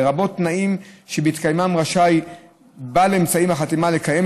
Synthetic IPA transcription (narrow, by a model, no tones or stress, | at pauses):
ʁabo̞t̪ːnaimʃebeit̪kajmamʁaʃaj | baleemt͡saimaχat̪imalekajem